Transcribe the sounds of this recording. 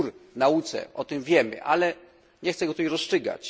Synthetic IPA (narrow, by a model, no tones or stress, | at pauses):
ɾnaut̪sɛ̰ɔt̪ɪmvʲjɛmɘ̰ʔalɛ | ɲɛxt̪sɛɡɔt̪ujɾɔst͡ʂɘɡa̰t͡ɕ